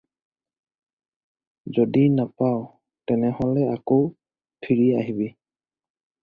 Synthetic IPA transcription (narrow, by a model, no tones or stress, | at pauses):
zodinapaw | tɛnɛhɔlɛakow | pʰiɹia̰ɦibi